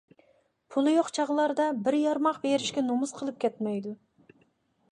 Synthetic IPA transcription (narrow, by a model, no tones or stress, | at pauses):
pʰulˠɨjoqt͡ʃʰɑʁəlˠɑɾd̪ɑbɪɾjɑɾmɑqbeɾɪʃkʲɛnomʊzqʰəlˠɨp̚kʲʰɛt̪mɛjd̪u